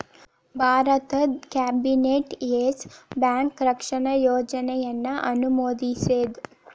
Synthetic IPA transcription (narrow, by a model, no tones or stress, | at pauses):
bʱaːɾɐt̪ɐkaːbineːʈeːsbjaːŋkɾɐkʂɐɳɐjoːd͡ʒɐnɛjɐnːɐʔɐnumoːd̪iseːd̪